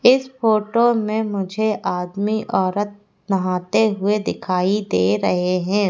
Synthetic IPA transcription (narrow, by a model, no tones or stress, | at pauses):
ɪsfoːʈomẽmʊd͡ʒʱeʔaːd̪miʔɔːɾət̪̚ | nɐɦaːt̪eɦʊed̪ɪkʰaːid̪eːɾɐɦeɦɛ̃ː